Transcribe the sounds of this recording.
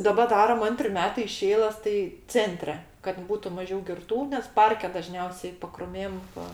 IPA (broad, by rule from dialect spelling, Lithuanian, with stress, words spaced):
dɐˈbɐ ˈdɑːrɐm ˈɐnʲtʲrʲɪ ˈmʲæːtɐɪ ɪʃ ˈɛɪlˠəs tɐɪ ˈt͡sʲɛnʲtʲrʲɛ kɐt ˈbuːtʊ mɐˈʒʲɛʊ ɡʲɪrˈtuː nʲɛs ˈpɐrʲkʲɛ dɐˈʒʲnʲɛʊsʲɛɪ pɐkrʊˈmʲeːm ˈʋɐ